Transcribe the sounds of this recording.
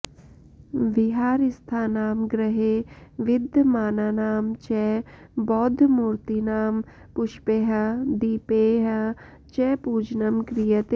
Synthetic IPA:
ʋɪɦaːɾɪst̪ʰaːnaːmɡɾəɦeːʋɪd̪ʱmaːnaːnaːmt͡ʃɛː | bɔːd̪ʱmuːɾt̪inaːm | pʊʃpeːɦɐd̪iːpeːɦ | t͡ʃɛːpuːd͡ʒnɐmkɾijət̪e

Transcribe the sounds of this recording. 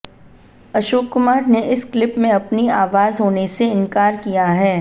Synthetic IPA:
ɐʃoːkːʊmaːɾneʔɪsklɪpmẽɐpniaːʋaːzɦoːneseɪnkaːɾkijaɦɛː

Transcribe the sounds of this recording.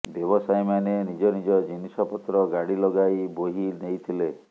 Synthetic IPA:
bjɔbɔsajmanenid͡ʒɔnid͡ʒɔd͡ʒinisɔpɔt̪ɾɔɡaɽilɔɡajboɦinejt̪ʰile

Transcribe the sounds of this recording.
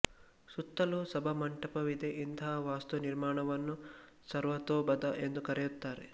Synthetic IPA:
sut̪ːɐlusɐbʱɐmɐɳʈɐpɐʋid̪eʔint̪ʰaɐʋaːst̪uniɾmaːɳɐʋɐnːu | sɐɾʋɐt̪oːbɐd̪ɐʔe̞nd̪ukɐɾejut̪ːaːɾḛ

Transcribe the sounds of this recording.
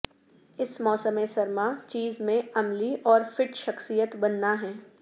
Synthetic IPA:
ɪsmɔːsəmẽsɐɾmat͡ʃiːzmẽɐmliʔɔːɾfɪʈʃɐxsijət̪bɐnːaɦɛː

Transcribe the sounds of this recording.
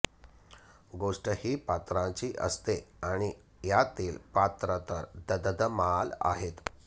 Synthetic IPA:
ɡoʂʈəhiːpat̪ɾãt͡ɕiːʔə̰st̪eaɽ̃i | jat̪iːlpat̪ɾət̪əɾd̪əd̪əd̪əmala̰ɦet̪

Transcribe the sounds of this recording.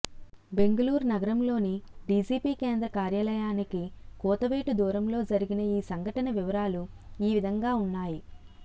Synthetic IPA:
be̞ŋɡɐluːɾnɐɡɐɾɐmlo̞ːniɖiːd͡ʒiːpiːkeːnd̪ɾɐkaːɾjalɐjaːnikikɔːt̪ɐʋeːʈud̪uːɾɐmlo̞ːd͡ʒɐɾiɡinɐiːsɐŋɡʱɐʈɐnɐʋiʋɐɾaːlu | iːʋid̪ʱɐŋɡaːunːaːji

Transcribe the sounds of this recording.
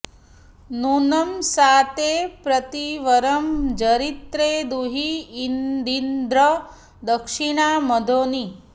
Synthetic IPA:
nunɐmsaːt̪eːpɾɐt̪iʋɐɾɐmd͡ʒɐɾit̪ɾeːd̪uɦiːnd̪ind̪ɾɐ | d̪ɐkʂiɳ̃aːmɐd̪ʱoːni

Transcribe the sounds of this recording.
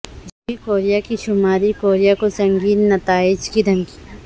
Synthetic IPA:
d͡ʒiwikoɾjakɪʃʊmaːɾikoɾjakʊsɐŋɡɪnːat̪aːɪt͡ʃkɪɾaŋkɪ̥

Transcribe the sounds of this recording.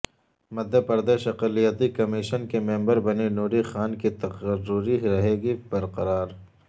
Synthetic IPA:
mɐd̪ʱːepɐɾd̪eːʃɐqlijət̪ikɐmiːʃənkemẽmbəɾbɐnenuːɾixaːnkit̪ɐqɐɾuɾiɾɐɦeːɡibɐɾqɐɾaːɾ

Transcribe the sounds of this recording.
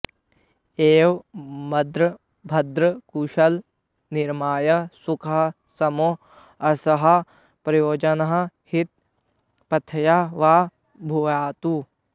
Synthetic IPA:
eːwmɐd̪ɾə | bʱɐd̪ɾəkuːʃɐl | nɪɾmaːjɐsʊkʰɐɦ | sɐmo | ɐɾsɐɦɐ | pɾɐjoːd͡ʒɐnɐɦɐhɪt̪̚ | pɐt̪ʰːɐjaʋaː | bʱuːjaːt̪uː

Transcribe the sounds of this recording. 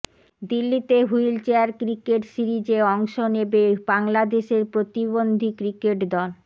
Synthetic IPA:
d̪ilːit̪eɦujlt͡ɕeaɾkɾikeʈsiɾid͡ʑeɔŋʃonebebaŋlad̪eʃeɾpɾot̪iβond̪ʱikɾikeʈd̪ɔl

